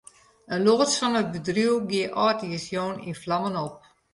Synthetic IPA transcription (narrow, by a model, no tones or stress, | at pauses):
ənloːsfɔnət̚bədruəɡiəʔɔːtiəsjoːnḭnflɑmənɔp̚